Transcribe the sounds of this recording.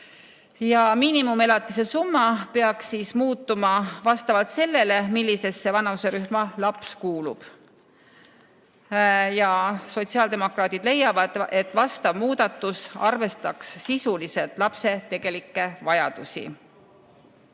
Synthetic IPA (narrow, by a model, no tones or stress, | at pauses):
jɑmiːnimume̞lɑt̪ːˑise̞sumːɑpe̞ɑksiːsmuːt̪ːˑumɑvɑst̪ɑvɑlt̪se̞lːe̞le̞milːise̞sːe̞vɑnɑuse̞ɾyhmɑlɑpskuːlub̥ | jɑso̞t̪siɑːld̪e̞mo̞krɑːt̪id̪̥le̞jːɑvɑd̪̥e̞t̪ːˑvɑst̪ɑvmuːd̪̥ɑt̪ːˑusɑ̰rve̞st̪ɑkssisulise̞lt̪ˑlɑpse̞t̪e̞ɡ̥e̞likːe̞vɑjɑ̰d̪̥usḭ